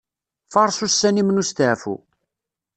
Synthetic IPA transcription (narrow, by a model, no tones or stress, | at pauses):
fɑɾˤsusːænimnust̪ʕfṵ